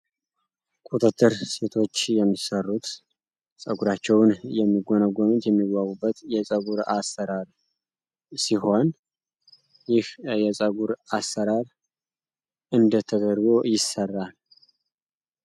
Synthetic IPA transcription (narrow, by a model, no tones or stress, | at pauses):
kʼut̪ʼɨt̪ʰːɨɾse̞t̪ʰo̞t͡ʃːjɛmːisərːut̪ | sʼəɡuɾat͡ʃːɛwnjɛmːiɡonəɡomut̪jɛmːiɡawubːət̪jɛsʼəɡuɾasːəɾaɾ | siɦo̞n | jɪhjɛsʼəɡuɾasəɾaɾ | ɨnd̪ət̪ʰːəɡ̪əɾbojɪsərːal